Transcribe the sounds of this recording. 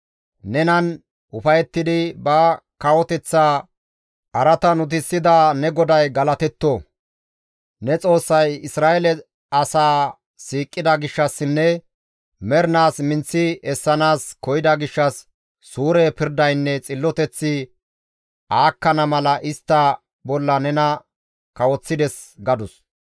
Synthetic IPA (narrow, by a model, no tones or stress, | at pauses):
nɛnɐn | ʔʊfɐjɛt̪ːɪd̪ɪbɐkɐwɔt̪ɛt͡sːaː | ʔɐɾɐt̪ɐnʊt̪̬ɪsːɪd̪anɛɡɔd̪ɐjɡɐlɐt̪ɛt̪ːo | nɛt͡sʼo̞ːsːɐjɪsɾaːʔɛlɛ | ɐsaː | siːkʼːɪd̪ɐɡɪʃːɐsːɪnːɛ | mɛɾnaːsmɪnt͡sːɪɛsːɐnaːskɔjɪd̪ɐɡɪʃːɐsː | uːɾɛːpɪɾd̪ɐjnːɛt͡sʼɪlːɔt̪ɛt͡sːɪ | ʔaːkːɐnɐmɐlɐʔɪst̪ːɐ | bɔlːɐnɛnɐ | kɐwɔt͡sːɪd̪ɛs | ɡɐd̪ʊs